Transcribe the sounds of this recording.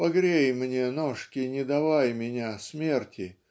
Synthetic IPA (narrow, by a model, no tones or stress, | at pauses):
pɐɡɾʲejmnʲenoʂkʲɪnʲɪd̪ɐvajmʲɪnʲasʲmʲe̞rtʲʰɪ